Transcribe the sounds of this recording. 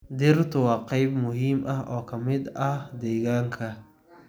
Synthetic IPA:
d̪ɪrt̪ʰʊwɑːqɑjbmʊɦiːmʔɐhʔɔːkʰɐmɪd̪ɐhd̪ɛːɣaːŋkʰɐ

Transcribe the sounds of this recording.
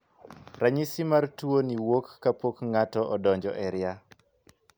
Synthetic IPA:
raɲisimartuoniwokːapokŋatɔʔɔdɔɲd͡ʒɔ̰ʔɛɾja

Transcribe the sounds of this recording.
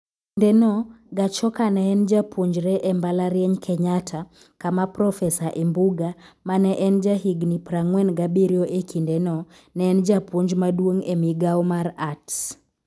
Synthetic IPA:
ndɛnɔ | ɡat͡ʃɔkanɛːnd͡ʒapʰoɲd͡ʒɾɛʔɛmbalaɾjɛɲkʰɛɲatʰa | kamapɾɔfɛsaʔembuɡamanɛʔɛnd͡ʒaɦiɡnipɾaŋwɛnɡabiɾjɔʔekʰindɛnɔ | nɛːnd͡ʒapoɲd͡ʒmadwoŋemiɡaɔmaɾats

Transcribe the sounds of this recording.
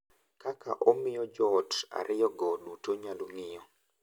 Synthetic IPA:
kakʰa̰ʔomɪjɔd͡ʒɔta̰ɾʔɪjɔɡɔɗutoɲalumɪjɔ

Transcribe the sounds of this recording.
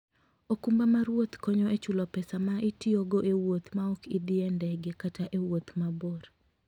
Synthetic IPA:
okumbamaɾwot̪kɔɲɔʔet͡ʃulɔpɛsamaʔitioɡoʔewot̪maɔkid̪ɪɛndɛɡekataʔewot̪maboɾ

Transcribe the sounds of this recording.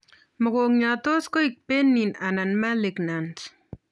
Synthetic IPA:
məɣoŋɲat̪oskoik̚penːinananmaleknans

